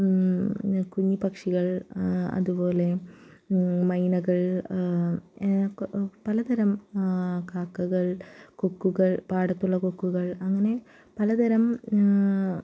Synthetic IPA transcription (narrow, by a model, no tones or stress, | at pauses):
kuɲːipɐkʂiɣɐɭɐ̰ðupo̞ːle̞ | mɐjnɐɣɐɭ | pɐlɐd̪ɐɾɐm | kaːkːuɣɐɭkukːuɣɐɭpaːɽɐt̪ːuɭːɐkukːuɣɐɭɐŋːɐne̞ | pɐlɐd̪ɐɾɐm